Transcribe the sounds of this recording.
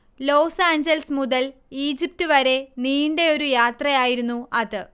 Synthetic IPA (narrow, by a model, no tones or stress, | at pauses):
lo̞ːsaːɲd͡ʑɐlsmuðɐliːd͡ʑip̚tuʋɐɾe̞niːɳɖe̞o̞ɾujaːt̪rɐjaːjiɾunːuɐðɨ